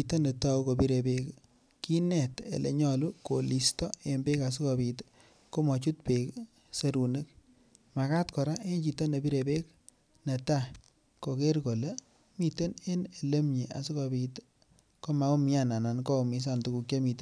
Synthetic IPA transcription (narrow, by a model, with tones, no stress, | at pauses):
ito˦ne˨ta˦u˦ko˨pi˦ɾe˨pe˦k | ki˦nɛ˨tḛ˨lʔḛ˨ɲɔlu˦ko˨li˨stɔ˦e˨mbe˦ka˨s̬i˦kɔ˨pi˧t | ko˦mɔ˨t͡ʃu˦t̚pe˨k | se˦ɾu˨ne˦k̚ | ma˨ka˦tkɔ˨ɾa˦ʔe˦nt͡ʃi˨to˦ne˨bi˦ɾe˨pe˦k | ne˨ta˦ | ko˨ke˦ɾko˨le˦ | mi˨te˦ne˦ne˨le˦mɲe˨a̰˨si˦ko˧bi˧t | ko˦ma˨˦ko˦mi˦a˦na˨na˨nko˦˨mi˦s̬a˦˨ntu˨ku˧k̚ja˦mi˨t